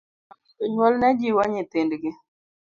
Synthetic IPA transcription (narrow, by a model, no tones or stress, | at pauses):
ʊɲwɔlnɛd͡ʒiwɔɲɪt̪ɪndɡɪ